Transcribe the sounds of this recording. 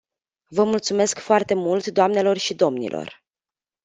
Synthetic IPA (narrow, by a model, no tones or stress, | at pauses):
vəmult̪sume̞skfoart̪e̞mult̪d̪oamne̞lo̞rʃid̪o̞mnḭlʔo̞̰r